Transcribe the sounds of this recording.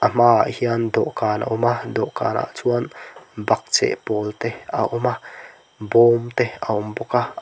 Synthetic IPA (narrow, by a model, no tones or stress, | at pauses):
ʔəm̥a̰ːhiɐnd̪ɔʔkaːna̰ʔɔmad̪ɔʔka̰ːna̰ʔt͡sʰuanbɐk̚t͡sḛʔpoːlt̪ea̰ʔɔma | boːmt̪eaɔmbɔka